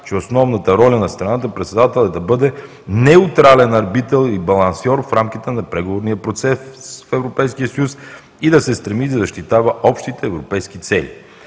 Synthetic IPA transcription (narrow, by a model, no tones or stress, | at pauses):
t͡ʃɛosnɔvnət̪əɾɔlʲɐnɐst̪ɾɐnat̪əpɾɛt̪sɛd̪at̪ɛlˠɛd̪ɐbɤd̪ɛ | nɛut̪ɾalɛnɐɾbit̪ɛlˠibɐlˠɐnsɔɾfɾamkʲit̪ɛnɐpɾɛɡovoɾnijəpɾot̪sɛsfɛvɾopɛjskijəsɐjus | id̪ɐsɛst̪ɾɛmid̪ɐzɐʃt̪it̪avəʔɔpʃt̪it̪ɛːvɾopɛjskit̪sɛlʲḭ